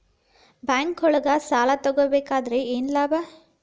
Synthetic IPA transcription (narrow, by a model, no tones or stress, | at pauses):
baːŋkɦɔɭɐɡɐsaːlat̪ɔɡobeːkaːd̪ɐɾeeːnlaːba